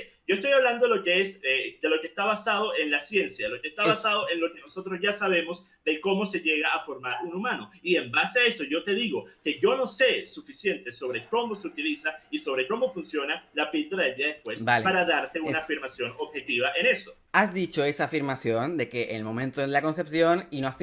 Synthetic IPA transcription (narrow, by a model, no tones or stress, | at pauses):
sɟo̞est̪o̞jaβland̪o̞ðelo̞keesed̪e̞lo̞keːst̪aβasað̞o̞ʔe̞nlasje̞nsjaðlo̞kest̪aβasað̞o̞ʔe̞nlo̞ke̞no̞so̞t̪ɾo̞zʝasaβe̞mo̞s | d̪e̞ko̞mo̞se̞ʝe̞ɣaafo̞ɾmaɾunumãno̞iembaseae̞so̞ʝo̞t̪e̞ðiɣo̞ke̞ʝo̞no̞se̞sufisje̞nt̪e̞so̞βɾe̞ko̞mo̞seut̪ilisaiso̞β̞ɾe̞ko̞mo̞funsjo̞nalapild̪oɾaðeld̪iaðespwe̞sbalpaɾaðaɾt̪e̞unaafiɾmasjo̞noβxe̞t̪iβaʔe̞ne̞so̞ | azðit͡ʃo̞e̞saːfiɾmasjo̞nd̪e̞ke̞ʔḛnlmõ̞mẽnt̪oðelako̞nsepsjo̞ninoas